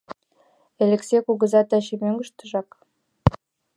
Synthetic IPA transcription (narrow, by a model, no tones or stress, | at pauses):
elʲeksekuɣə̆zɑt̪ɑɕemøŋɡəʃt̪ə̆ʒɑk